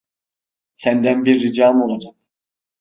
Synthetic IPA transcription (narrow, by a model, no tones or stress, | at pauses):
sænd̪ænbiɾːid͡ʒaːmo̞lˠad͡ʒak̚